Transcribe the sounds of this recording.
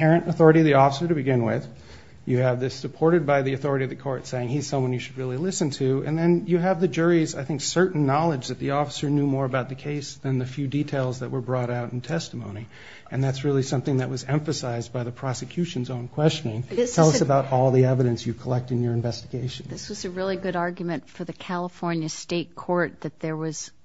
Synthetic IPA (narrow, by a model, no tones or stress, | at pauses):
ɛɹɨ̃nɨθɔɹɨɾiʌvðiɔfəsə˞ɾɨbɨɡɪ̃nwɪ̰ð̥ | jɨɨvðɪsɨpʰɔɹɾɨd̚baɪðiɨθɔɹəɾiʌvðɨkʰɔɹtseɪɪ̃ŋiz̥sʌ̃mwʌ̃njɨʃɨd̚ɹɪlˠilɪsɨ̃ntʰʉɨ̰̃nðɨ̃njɨːvðɨd͡ʒʊɹizaɪθɪ̃ŋksɜ˞ʔn̩nɑlˠəd͡ʒðɨt̪̚ðiɔfə̥sə˞njʉmɔɹɨbaʊt̪̚ðɨkʰeɪsðɨ̃nðɨfjʉditʰeɪlˠzðɨʔ̚wə˞bɹɔɾaʊɾn̩tʰɛstəmõʊ̃ni | ɨ̃nðætsɹɪlˠisʌ̃mθɪ̃ŋðɨʔ̚wʌzɛ̃ɱfɨsaɪzbaɪðɨpʰɹ̥ɑsɨkʰj̥ʉʃɨ̃n̩zõʊ̃nkʰw̥ɛst͡ʃɨnɪ̃ŋstʰɛlˠʌsɨbaʊɾɔlˠðiɛvɨɾɨ̃nsjɨ̥kʰəlɛk̚tɨ̃njə˞ɨ̃ɱvɛstɨɡeɪʃɨ̃nðɪswʌzɨɹɪlˠiɡʊɾɑɹɡjmɨ̃ntfə˞ðɨkʰælˠəfɔɹnjɨsteɪt̚kʰɔɹt̪̚ðɨt̪̚ðə˞wʌz̥